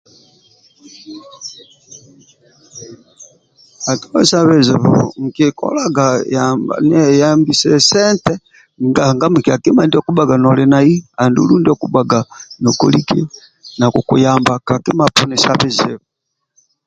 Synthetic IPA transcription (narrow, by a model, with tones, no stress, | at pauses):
a˨tu˦wɛ˦sa˦βɛ˨zɛ˨vṵŋ̩˨ki˨kɔ̰˦la˦ɡa˨jamba̰˨nɛ˨ja˦mbi˨sɛ˦sɛ˦ntɛ˦ | ŋɡa˨ŋɡa˦mi˨ki˨a˨ki˦ma˨ndi˦ɔ˦ku˦ɓa˨ɡa˨nɔ˨lɛ˨na˨i˦a˨ndṵ˨lu˦ndi˦ɔ˦ku˦ɓa˨ɡa˨nɔ˨kɔ˨li˦kḭ˦ | na˨ku˨ku˨jamba˨ka˨ki˦ma˨pɔ˦nɛ˨sa˦βɛ˨zɛ̰˨βu